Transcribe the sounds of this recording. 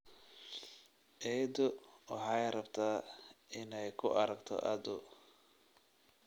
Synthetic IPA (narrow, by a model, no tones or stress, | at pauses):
ʔɛːd̪ʊwɑħɑːjɾɐbt̪ʰaːɪnɛjkʰʊʔɐɾɐɡt̪ʰɔ̰ʔɐd̪ʊ